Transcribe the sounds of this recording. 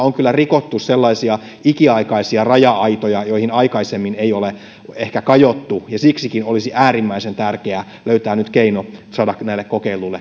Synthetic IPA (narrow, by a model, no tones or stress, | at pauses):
oŋkylːærikot̪ːusselːɑisiɑ | ikiɑikɑisiɑrɑjɑɑit̪ojɑjoihinɑikɑisemːineijole | ehkækɑjot̪ːujɑsiksikinolisiʔæːrimːæisent̪ærkeæ | løyt̪æːnyt̪keinosɑːdɑknæilːekkokeilulːe